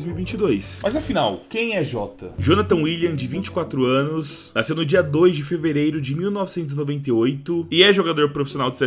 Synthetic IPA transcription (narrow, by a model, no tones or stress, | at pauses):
jzmiuwivĩt͡ʃɪd̪ojsmʔɐzɐfinawkẽj̃ɛʒɔt̪ɐ̰ʒonat̪ɐ̃wiliɐ̃d͡ʒɪvĩt͡ʃɪ̥kwat̪ɾʊɐ̃nʊst̪asewnʊd͡ʒiɐd̪ojzd͡ʒɪfeveɾejɾʊd͡ʒɪmiwnɔvɪsẽnt̪ʊzɪnovẽnt̪̬eojt̪ʊɪɛʒoɡad̪oɾpɾofisionawd͡ʒɪsɛ